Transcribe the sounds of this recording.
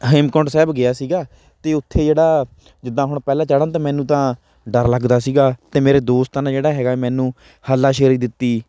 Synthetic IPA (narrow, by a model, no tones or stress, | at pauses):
ɦeːmkɔːʈsɛːbɡɪaːsiːɡaː | t̪eːʊt̪ʰːeːd͡ʒeːɽaː | d͡ʒɪd̪ãːɦʊɳpɛːlãːt͡ʃəɽãːt̪ãːmɛ̃ːnũːt̪ãː | ɖəɾləɡd̪aːsiːɡaːt̪eːmeːɾeːd̪oːst̪ənãːd͡ʒeːɽaːɦɛːɡaːmɛ̃ːnũː | həlːaːʃeːɾiːd̪ɪt̪ːiː